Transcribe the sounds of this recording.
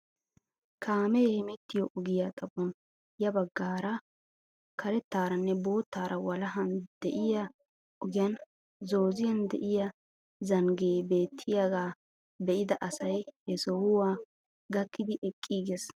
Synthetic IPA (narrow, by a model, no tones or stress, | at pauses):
kʰaːmɛjɛhɛmɛt̪ːɪjɔʔʊɡɪjat̪ʼɐbɔn | jɐbɐɡːaːɾɐ | kʰɐɾɛt̪ːaːɾɐnːɛbo̞ːt̪ːaːɾʔɐwɐlɐɦɐnd̪̥ɛʔɪjɐ | ʔɔɡɪjɐn | zo̞ːzɪjɐnd̪ɛʔɪjɐ | zɐŋɡeːbeːt̪ʰːɪjaɡaː | bɛʔɪd̪ɐʔɐsɐjhɛsɔhʊwaː | ɡɐkːɪd̪ɪʔɛkʼːiːɡɛs